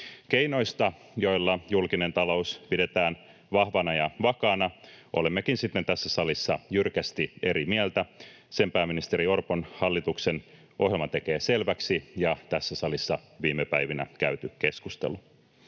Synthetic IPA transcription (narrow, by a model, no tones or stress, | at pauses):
ke̞ino̞jst̪ɑ | jo̞jlːɑjulkine̞nt̪ɑlo̞uspide̞t̪æːn | ʋɑhʋɑnɑjɑʋɑkɑːnɑʔo̞̰lemːekinsit̪ːent̪æsːæsɑlisːɑjyrkæst̪ie̞ɾimiælt̪æ | se̞mpæːmːinist̪eɾio̞rponhɑlːit̪uksen | ʔo̞ɦjelmɑt̪e̞keːse̞lʋæksijɑt̪æsːæsɑlisːɑʋiːmepæjʋinæ̰kæyt̪yke̞skust̪ḛlu